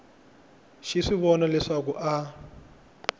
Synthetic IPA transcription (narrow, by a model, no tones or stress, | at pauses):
ʃiʂiβɔnalɛʂakuʔa